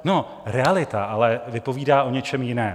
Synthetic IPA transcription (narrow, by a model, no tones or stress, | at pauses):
no̞ | ɾɛalɪt̪aʔalɛvɪpo̞viːdaːʔo̞ɲɛt͡ʃɛmjɪnɛː